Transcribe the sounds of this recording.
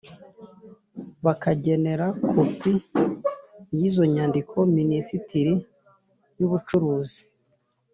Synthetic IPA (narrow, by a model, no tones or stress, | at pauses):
βakaɟe̞ne̞ɾakʰopi | jizo̞ɲaːndikʰo̞minisitiɾi | juβut͡ʃuɾuːzi̥